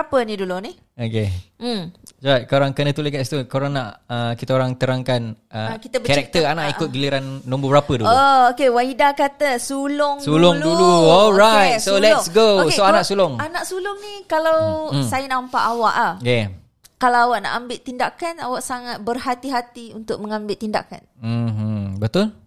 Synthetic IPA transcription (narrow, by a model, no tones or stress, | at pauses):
apənĩduluni | oke | d͡ʒat̚koɾaŋkənət̪uleɡast̪ukoɾaŋnaʔəkit̪əoɾaŋt̪əɾaŋkanʔəkit̪əbəɛɾɛk̚t̪əanaʔikʊt̪̚ɡiliɾanːɔ̃mbəbəɾapəduookewaidakat̪əsulʊŋsulɔŋduluɔlɾajt̪solɛsɡooanaʔsulɔŋanaʔsulʊŋnikalawsajənampaʔawa̰ʔahjɛ | kalawawaʔna̰ʔambɪʔt̪ːindakanawaʔsaŋat̪̚bərɦat̪iɦat̪iunt̪ʊk̚mə̃ŋambɪʔt̪ːinda̰ka̰n̩ | bət̪ʊl